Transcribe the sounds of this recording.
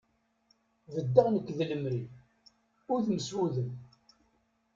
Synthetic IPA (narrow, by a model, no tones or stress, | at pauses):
vəd̪ːaʁnəkːðələmɾi | ʊɾðməswuðən